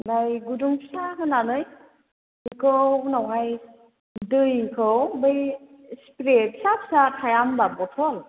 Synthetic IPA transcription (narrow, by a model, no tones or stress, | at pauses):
bajɡudumsaɦɯnanɯj | ikʰɯnawɦaj | dɯjkʰɯwbɯj | spɾet̚sapsakʰajambabɔtʰɔl